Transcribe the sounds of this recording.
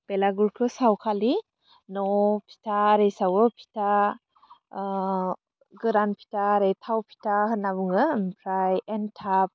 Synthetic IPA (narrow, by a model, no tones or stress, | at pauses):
pelaɡuɾkʰɯsawkʰali | nɔpʰi̥tʰaɾejsawɯpʰi̥ta | ɡɯɾanpʰi̥taɾejtʰawpʰi̥tʰahɯnabɯŋɯmpʰɾajɛntʰap̚